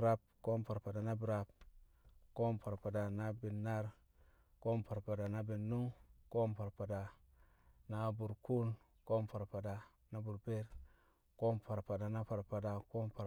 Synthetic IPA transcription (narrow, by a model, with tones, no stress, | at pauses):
ɾa˦b̚ko˦mpa˨ɾpa˨da˨na˦bi˨ɾa˨b̚ | ko˦mpa˨ɾpa˨da˨na˦bi˨nːa˦ɾ | ko˦mpa˨ɾpa˨da˨na˦bi˨nːu˦ŋko˦mpa˨ɾpa˨da˨ | na˦bu˨ɾku˦n | ko˦mpa˨ɾpa˨da˨ | na˦bu˨ɾbe˦ɾ | ko˦mpa˨ɾpa˨da˨na˦pa˨ɾpa˨da˨ko˦mpa˨